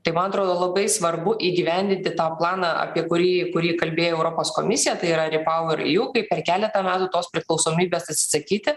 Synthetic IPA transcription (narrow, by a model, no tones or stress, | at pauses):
t̪ɐɪmɐnɐt̪ɾoːd̪oːlˠɐbɐɪsʋɐrbʊʔiːɡʲiʋʲɛnʲd̪ʲɪnʲt̪ʲɪt̪aːplˠɑːnɑʔɐ̰pʲiɛkʊɾʲiːkʊɾʲiːkɐlʲbʲeːjoɛʊɾoːpoːsko̰mʲɪsʲɪjɛt̪ɐɪiɾɐɾʲɪpɐʊɪɾ̰juːkɐɪpʲɛrkʲæːlʲɛt̪ɐmʲæːt̪ʊt̪oːspʲɾʲɪklˠɒʊsoːmʲiːbʲeːsɐt̪ʲsʲɪ̥sɐkʲiːt̪ʲɪ